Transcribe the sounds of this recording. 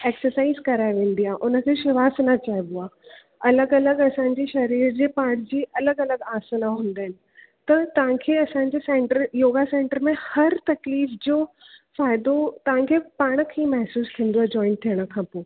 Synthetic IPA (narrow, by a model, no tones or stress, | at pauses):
eːksəɾsaːɪzkɐɾaːɪʋẽːn̆d̪iaʔʊnə̆kʰeʃɪʋaːsnat͡ɕaːiboaː | ɐləɡɐləɡɐsãɲ̆d͡ʑiʃɐɾiːɾd͡ʑeːpaːɽ̃d͡ʑiːɐləɡɐləɡaːsənãɦũːn̆d̪aːɦɪnɪ̆ | t̪ɐt̪ɐʋ̤ãkʰeːɐsãɲ̆d͡ʑesẽːɳʈəɾjoːɡasẽːɳʈəɾmẽhɐɾt̪ɐkliːfd͡ʑoː | faːɪd̪ot̪ɐʋ̤ãkʰeːpaːɽ̃kʰeːmɐɦsuːst̪ʰĩə̃ːnd̪oad͡ʑɔːɪ̃nt̪ʰijəɽ̃ə̆kʰãːpoː